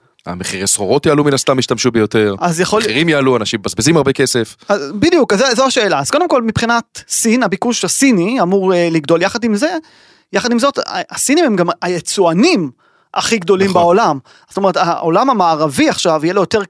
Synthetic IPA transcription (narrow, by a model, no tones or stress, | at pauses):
a̰meχiʁesχoʁo̞t̪jaaluminast̪amːiʃt̪amʃubejo̞t̪e̞ʁazjaχoliʁimjaaluanaʃimbazbezimaʁbeke̞se̞fazbid̪ijukazezoaʃe̞ːlaːz̥ko̞d̪emko̞lmipχinat̪sinabikuʃasiniamuʁeliɡd̪o̞ljaχad̪imze̞ | jaχad̪imzo̞t̪asinimemɡamajet͡suanim | ʔaχiɡd̪o̞limbao̞lam | z̥ot̪ome̞et̪aolamamaːʁaviaχʃavijelojo̞te̞ʁ